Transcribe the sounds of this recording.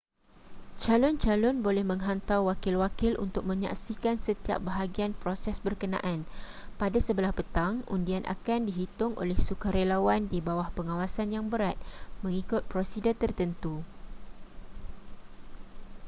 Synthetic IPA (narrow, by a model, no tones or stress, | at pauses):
t͡ʃalʊnt͡ʃalʊnbolɛhmə̃ŋɦant̪awwakɪlwakɪlʔṵnt̪ʊk̚mə̃ɲa̰ksikansət̪ia̰p̚bəɦaɡianpɾosɛsbərkənã̰ʔan | padasəbəlahpət̪aŋʔṵndianʔa̰kandiɦit̪ʊŋʔo̰lɛhsukaɾelawandibawahpəŋãwasanjaŋbəɾat̪̚mə̃ŋikʊt̪̚pɾosidət̪ərt̪ənt̪u